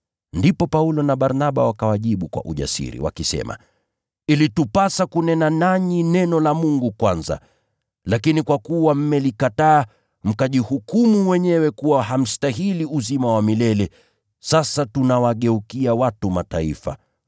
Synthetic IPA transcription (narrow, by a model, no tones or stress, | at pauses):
ndipɔpaulɔnaɓaɾnaɓawakawaʄiɓukwa̰ʔuʄa̰sḭɾḭwa̰kisɛ̰ma̰ | ilitupasakunɛnanaɲinɛnɔlamuŋɡukwanza̰ | lakinikwakuwam̩mɛlikataː | m̩kaʄihukumuwɛɲɛwɛkuwaɦam̩staɦiliuzimawamilɛlɛ | sasatunawaɠɛukiawatumataḭfa̰